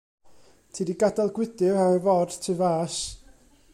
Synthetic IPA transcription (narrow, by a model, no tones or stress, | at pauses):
tʰiːdiɡadalˠɡwɪd̥ɪaɛvɔd̥tʰɨvaːs